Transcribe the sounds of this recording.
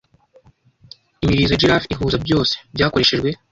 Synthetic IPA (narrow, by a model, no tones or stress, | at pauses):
imiɾizod͡ʒiɾafiɦuːzabɟo̞ːse̥bɟaːko̞ɾe̞ʃeʒɡwe̞